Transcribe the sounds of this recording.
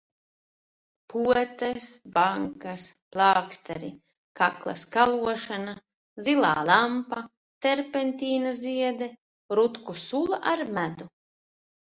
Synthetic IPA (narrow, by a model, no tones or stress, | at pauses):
puɔt̪ɛsbaŋkasplˠɑːkst̪aɾi | kaklˠa̰skalˠuɔʃana | zilˠaːlˠampa | t̪ɛɾpent̪ʲiːnaziɛd̪ɛ | ɾut̪kusulˠaʔaɾmæd̪u